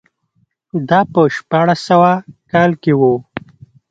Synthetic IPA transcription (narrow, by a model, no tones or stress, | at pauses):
d̪ɑpəʃpɑɽasawakɑlkewo